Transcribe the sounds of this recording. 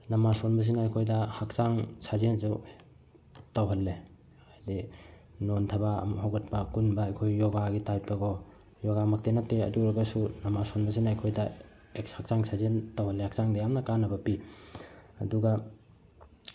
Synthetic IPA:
nɐmasonbɐs̬inajkʰojdɐhak̚t͡ʃaŋsazensu | tawɦɐlːe | ajdi | nontʰɐbamɦawɡɐt̚pakunbajkʰojːɔɡaɡitajp̚tɔɡɔ | jɔɡamak̚tenatːeɐ̰duɾɐɡɐsunɐmasonbɐs̬inajkʰojda | ek̚shak̚t͡ʃaŋsʰazentawhɐlːehak̚saŋdɐjamnɐkanːɐbɐpi | ɐ̰duɡa

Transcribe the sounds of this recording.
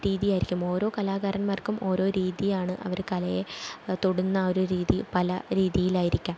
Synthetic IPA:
ɾiːðijaːjiɾikʲːumo̞ːɾo̞ːkɐlaːɡaːɾɐnmaːrkumʔo̞ːɾo̞ːɾiːðijaːɳɨʔɐ̰ʋɐrkɐlɐjet̪oɽunːɐoːɾuɾiːðipɐlɐ̰ɾiːðijilaːjiɾikʲːaːm

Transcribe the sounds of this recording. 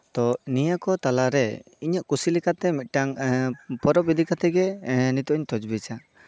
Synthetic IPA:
t̪ɔnijakɔt̪alaɾɛ | iɲaʔkusilikat̪ɛmit̪̚ˀʈaŋpɔɾɔp̚id̪ʱikat̪ɛɡɛnit̪ɔʔɔɲt̪ɔd͡ʒbit͡ʃa

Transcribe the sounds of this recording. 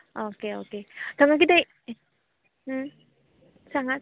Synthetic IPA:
ʔokeoket͡ɕaŋak̬it̪e | saŋa

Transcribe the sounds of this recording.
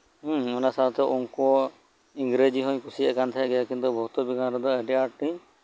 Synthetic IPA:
ɔnasat̪ɛʔɔŋkɔ | iŋɡɾed͡ʒiɦɔ̃ɲkusiɛkant̪ʰaɛɡɛjakint̪ubɔɦut̪ɔbiɡanɾɔd̪ɔeɖiaɾʈi

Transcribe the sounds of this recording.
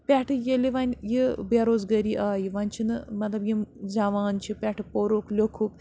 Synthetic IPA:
pʲɛʈʰɨjeliʋanʲjibaɾoːzɡɐɾiːʔaːjiʋanʲt͡ʃʰinɨmɐt̪lɐbjimd͡zaʋaːnt͡ʃʰipʲɛʈʰpoɾoklʲokʰuk

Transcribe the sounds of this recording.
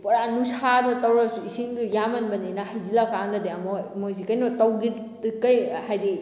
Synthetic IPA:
pɐɾanusadɐtɐwɾasuisiŋdujamɐnbɐninahajzilakandɐdeamojmojs̬ikɐjnɔtɐwɡi | kɐjhajdi

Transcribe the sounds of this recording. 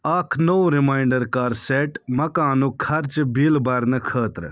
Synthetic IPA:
akʰnowɾimaːjɳɖəɾkaːɾseːʈmɐkaːnukʰɐɾt͡ʃbiːlbɐɾnəkʰəːt̪ɾ

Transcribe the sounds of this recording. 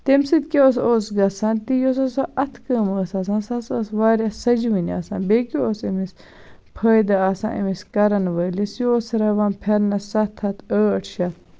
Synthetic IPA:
t̪emsit̪kioːsoːsɡɐsãːnt̪ijos̬ɐsɐʔɐt̪ʰkəːməːsɐs̬ãnsɐsɐsʋaːɾʲɐsɐd͡ʒiʋinia̰sã̰ːnbeːkioːsɐmis | pʰɐːjd̪ɐaːsã̰nʔɐ̰miskɐɾɐnʋɐːlisjoːsɐɾɐʋanpʰeɾnɐsɐt̪ʰːɐt̪ʰəːɐʈʰʃɐ

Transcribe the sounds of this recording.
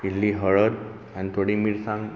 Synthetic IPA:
iliɦəɭəɾ | ɛ̃nt̪oɽiːmiːɾsãŋɡ

